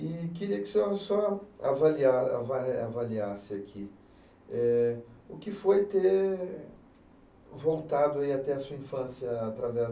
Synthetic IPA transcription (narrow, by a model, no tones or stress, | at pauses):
ɪkɪɾiɐkɪ̥sosɔavaliaa̰vaavaliasɪakʰi | ɛʊkɪfojt̪e | vowt̪ad̪ʊaiat̪ɛɐsuɐĩfɐ̃sjɐːt̪ɾavɛ